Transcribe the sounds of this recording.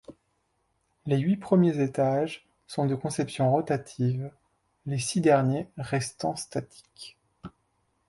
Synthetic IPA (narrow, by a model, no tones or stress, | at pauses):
leɥipχəmjezet̪aʒ | sɔ̃d̪əkɔ̃sɛpsjɔ̃ʁɔt̪at̪ʰiv | lesid̪ɛʁnjeʁɛst̪ɑ̃st̪at̪ʰi̥k